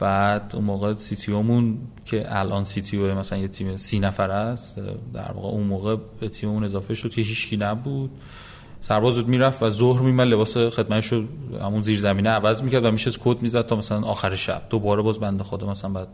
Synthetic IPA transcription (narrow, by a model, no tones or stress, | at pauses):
b̥æd̪̥ṵnmoːɣesit̪ʰiomuncʰeʔælʔɒːnsit̪ʰioemæsælænjet̪ʰiːmesiːnæfæɾæstd̪æ̰ɾvɒ̰ːɣḛunmoːɣebet̪ʰiːmemune̞zɒːfeʃod̪̥̚kʰʲe̞ɦiːt͡ʃcʰiːnæbud̪̥ | sæɾbɒːzbud̪miːɾæfvæzohɾmimæd̪le̞bɒːsexed̪mæt̪ʰeʃohæ̰munziːɾzæmiːneævæzmiːcʰæɾd̪væmiʃest̪kʰod̪miːzæd̪̚t̪ʰɒːmæsælænɒːxæɾeʃæ̰b̥̚d̪̥obɒːɾebɒːzbænd̪exod̪ɒmæsælænmbæd̪̚